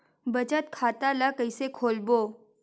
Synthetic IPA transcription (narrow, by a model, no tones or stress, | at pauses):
bət͡ʃət̪kʰat̪alakəisekʰoːlboː